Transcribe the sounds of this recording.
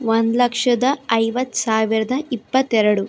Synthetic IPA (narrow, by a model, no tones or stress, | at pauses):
ʋɐnd̪lɐkʂɐd̪ɐɐjʋɐt̪saːʋiɾɐd̪ɐipːɐt̪ɛɾɐɽu